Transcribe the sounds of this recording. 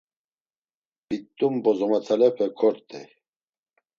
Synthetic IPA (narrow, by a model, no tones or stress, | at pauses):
bit̪ːumbɔzɔmat̪ʰalɛpʰɛkʰɔɾt̪ʰʼɛ̰